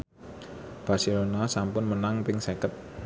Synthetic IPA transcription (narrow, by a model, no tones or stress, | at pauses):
b̥a̤rselonasampʊnmənaŋpɪŋsekət̪̚